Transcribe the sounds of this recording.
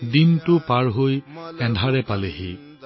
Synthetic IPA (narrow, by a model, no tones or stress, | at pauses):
dintʊpaɹɦojɛ̃dʱaɹɛpaleɦi